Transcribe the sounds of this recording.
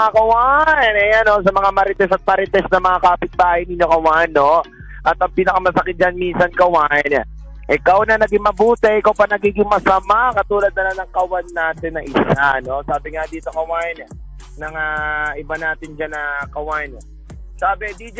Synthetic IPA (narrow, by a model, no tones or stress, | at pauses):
akɐwaɛnɐjano̞sɐmɐŋamɐɾɪt̪ɛsɐt̪̚mɐɾɪt̪ɛsnɐmɐŋakaːpɪt̪̚baːhɪnɪɲːo̞kɐwaʔnːo̞ | ʔɐt̪ɐŋpiːnɐkamɐsɐkɪt̪̚d͡ʒanminsɐnkɐwaːʔɪnɛ̰ | ʔɪkawnɐnɐɡɪŋmɐbuːt̪ɛʔɪkawpɐnɐɡiːɡɪŋmɐsɐmakɐt̪uːlɐd̪̚nɐlanɐŋkɐwanːaːt̪ɪnːɐʔɪssano̞saːbɪŋad̪iːt̪o̞kɐwaːjɪnɛ | nɐŋaʔɪbanaːt̪ɪnd͡ʒanɐkɐwaːʔɪnɛ | saːbɪd̪id͡ʒ